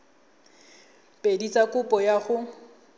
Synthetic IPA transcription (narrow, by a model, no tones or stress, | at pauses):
pʼedit͡sʼakʼʊpʼɔjaχʊ